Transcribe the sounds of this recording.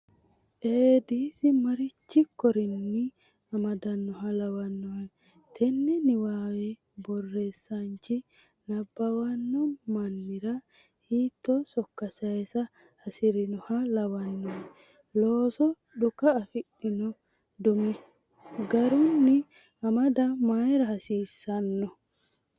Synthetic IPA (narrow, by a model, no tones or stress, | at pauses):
ʔeːd̪iːsɪmɐɾɪt͡ʃːɪkːɔɾɪnːɪ | ɐmɐd̪ɐnːɔɦɐlɐwɐnːɔɛ | t̪ʰɛnːɛnɪwaːwɛ | bɔrːeːsːant͡ʃɪ | nɐbːɐwɐnːɔmɐnːɪɾɐ | hiːt̪ːɔsɔkːɐsɐɛsɐ | hɐsɪɾɪnɔhɐlɐwɐnːɔɛ | loːsɔ | ɗʊkɐːfɪɗɪnɔ | d̪ʊmɛ | ɡɐɾɔnːɪ | ɐmɐd̪ɐmaːjɛɾɐhɐsiːsːɐnːɔ